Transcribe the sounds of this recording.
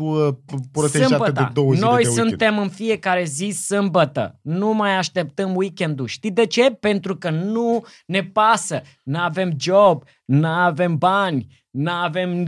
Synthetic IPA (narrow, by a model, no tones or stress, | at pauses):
əpɾotseɨmʒatbəed̪t̪ḛd̪owəno̞jsunt̪e̞mɨnfie̞kaɾe̞zisɨmbət̪ə̰numajaʃt̪e̞pt̪əmwikʲe̞nd̪uʃt̪id̪e̞t͡ʃe̞pe̞nt̪ɾukənu | ne̞pasə | nəave̞md͡ʒob | nəave̞mbanʲ | nəave̞m